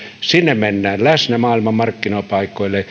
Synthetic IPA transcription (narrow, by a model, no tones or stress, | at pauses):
sinːemmenːæːnlæsnæmɑːilmɑmmɑrkːinoˑpɑˑikːˑoˑilːe